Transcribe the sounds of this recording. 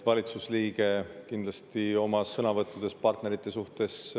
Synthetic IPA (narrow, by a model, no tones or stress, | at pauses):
vɑlʲit̪susliːɡe̞kind̪lɑst̪io̞mɑsɤnɑvɤt̪ːˑud̪̥e̞spɑrt̪ne̞ɾit̪ːˑe̞suht̪e̞s